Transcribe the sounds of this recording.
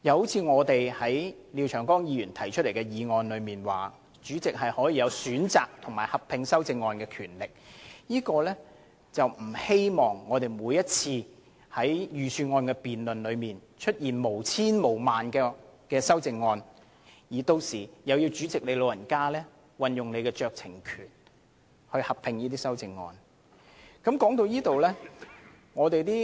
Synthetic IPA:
jɐ˨˧who˨˥wt͡sʰiː˧ŋɔː˨˧t̪e˨jhɐ˨˥j | liː˨˧wt͡ʃʰœː˨˩ŋkɔː˥ŋjiː˧jyː˨˩nt̪ʰɐ˨˩jt͡ʃʰɵ˥le˨˩jkɛ˧jiː˨˧ŋɔː˧nlɵ˨˧ɥmiː˨nwa̰ː˨ | t͡ʃyː˨˥t͡sɪ˨k̚ɦɐ˨jhɔː˨˥jiː˨˧jɐ˨˧wsyː˨˥nt͡saː˨k̚t̪ʰʊ˨˩ŋmaː˨˩hɐ˨p̚pʰɪ˨˧ŋsɐ˥wt͡sɪ˧ŋːɔː˧nkɛː˧kʰyː˨˩nlɪ˨k̚jiː˥kɔː˧lɛː˥ | t͡sɐ˨wm̩˨˩he˥jmɔː˨˩ŋːɔː˨˧t̪e˨jmuː˨˧jːɐ˥t̚t͡sʰiː˧ | hɐ˨˥jjyː˨syː˧ŋɔː˧nkɛː˧piː˨nlɵ˨nlɵ˨˧ɥmiː˨˩nt͡ʃʰɵ˥t̚jiː˨˩nmo˨˩wt͡sʰiː˥nmo˨˩wmaː˨nkɛː˧kɛː˧sɐ˥wt͡sɪ˧ŋːɔː˧n | jiː˨˩t̪o˧wsiː˨˩jɐ˨˧wjiː˧wt͡syː˨˥t͡sɪ˨k̚ne˨˧jlo˨˧wjɐ˨˩nkaː˥lɛː˥ | wɐ˨njʊ˨ŋle˨˧jkɛː˧t͡ʃœː˨˧k̚t͡sʰɪ˨˩ŋkʰyː˨˩n | hɵ˧ɥhɐ˨p̚pʰɪ˧ŋjiː˥t̪̬iː˥sɐ˥wt͡sɪ˧ŋːɔ̰ː˧n | kɐ˨˥mkɔː˨˥ŋt̪o˧wjiː˥t̪o˨wlɛː˥ | ŋɔː˨˧t̪e˨jt̪iː˥

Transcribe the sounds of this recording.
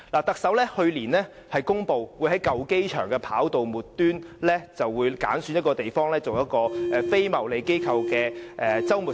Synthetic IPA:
laː˨˩t̪ɐ˨k̚sɐ˨˥wlɛː˥hɵ˧ɥliː˨˩nlɛː˥ | hɐ˨jkʊ˥ŋpo˨wwu˨˧jhɐ˨˥jkɐ˨wke˥jt͡ʃʰœ̰ː˨˩ŋkɛː˧pʰaː˨˥wt̪o˨wmuː˨˩tt̪yː˥nlɛː˥t͡sɐ˨wːuː˨˧jka̰ː˨˥nsyː˨˧njɐ˥t̚kɔː˧t̪e˨˩jfɔː˥ŋlɛː˥t͡so˨wjɐ˥t̚kɔː˧ʔɛ˨fe˥jmɐ˨˩wle˨˧jke˥jkʰɐ˧wkɛː˧ʔɛ˨t͡sɐ˥wmuː˨˩

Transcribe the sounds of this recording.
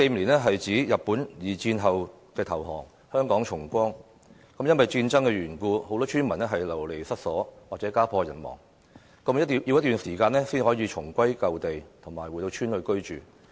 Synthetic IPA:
se˧jm˨liː˨˩nɛː˥ɦɐ˨jt͡siː˨˥jɐ˨p̚ːuː˨˥njiː˨˩t͡siː˧nɦɐ˨w | kɛː˧t̪ʰɐ˨˩wɦɔ̰ː˨˩ŋ | hœː˥ŋkɔː˨˥ŋt͡ʃʰʊ˨˩ŋkʷɔː˥ŋ | kɐ˨˥mjɐ˥nwɐ˨jt͡siː˧nt͡sɐ˥ŋkɛː˧ɥyː˨˩nkuː˧ho˨˧wt̪ɔː˥t͡ʃʰyː˥nmɐ˨˩nɛ˥ɦɐ˨jlɐ˨˩wle˨˩jsɐ˥t̚sɔː˨˥waː˨k̚t͡sɛː˨˥kaː˥pʰɔː˧jɐ˨˩nmɔ̰ː˨˩ŋ | kɐ˧mjɐ˥˨ji˧wjɐ˥t̪yː˨˩nsiː˨˩kaː˧nɛː˥siː˥nhɔː˨˥jiː˨˧t͡ʃʰʊ˨˩ŋkʷɐ˥jkɐ˨˧wt̪e˨jt̪ʰʊ˨˩ŋmaː˨˩jwuː˨˩t̪o˧t͡ʃʰyː˥nlɵ˨˧jkɵ˥ɥt͡ʃyː˨

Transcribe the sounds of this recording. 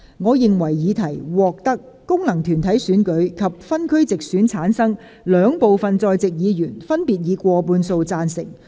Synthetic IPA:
ŋɔː˨˧jɪ˨ŋwɐ˨˩jːiː˨˧t̪ʰɐ˨˩jwɔː˨k̚t̪ɐ˥kːʊ˥ŋlɐ˨˩ŋt̪ʰyː˨˩nt̪ʰɐ˨˥jsyː˨˥nkɵ˨˥ɥkʰɐ˨p̚fɐ˥nkʰɵ˥ɥt͡sɪ˨k̚syː˨˥nt͡sʰaː˨˥nsɐ˥ŋ | lœː˨˧ŋpo˨wfɐ˨nt͡sɔː˧jt͡sɪ˨k̚jiː˨˧jyː˨˩nfɐ˥npiː˨t̚jiː˨˧kʷɔː˧puː˧nso˧wt͡saː˧nsɪ˨˩ŋ

